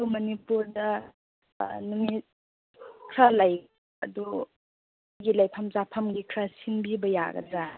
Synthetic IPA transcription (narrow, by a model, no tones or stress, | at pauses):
wmɐnipuɾdɐ | nuŋi | kʰɾalaj | ɐ̰du | ɡilajpʰamzapʰamɡikʰɾasiŋbibɐja̰ɡɐ̰za